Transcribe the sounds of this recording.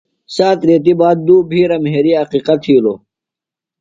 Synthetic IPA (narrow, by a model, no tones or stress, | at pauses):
saːt̪ɾeːt̪̬ibaːt̪̚d̪uːbʱiːɾɐmɦeːɾiɦɐqiqɐt̪ʰiːloː